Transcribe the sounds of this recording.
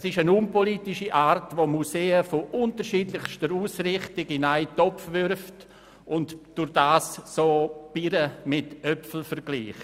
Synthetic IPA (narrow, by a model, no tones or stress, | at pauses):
sɪʃənʊmpoliːtɪʃiʔaːɾtvoːmuseːəfoʔʊntəʃiːdlɪχʃtəɾuːsrɪχtɪɡɪnaɪtɔpfvʏɾft | ʊntd̥ʊɾd̥aːssoːb̥iɾəmɪtœpfl̩fəɾɡ̥liːχ